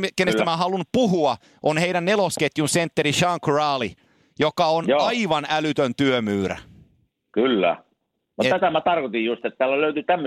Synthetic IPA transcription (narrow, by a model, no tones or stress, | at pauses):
kenːest̪æmæɦɑlunupuɦuɑ | ʔonheiɾænːelosket̪junsent̪ːeɾiʃɑŋkrɑːli | jokɑonjɑiʋɑnælyt̪ønt̪yømyːræ̰ | kylːæ̰ | mut̪æt̪æmæt̪ɑrkot̪ijjust̪et̪ːt̪æːlːæløyt̪yt̪æmːø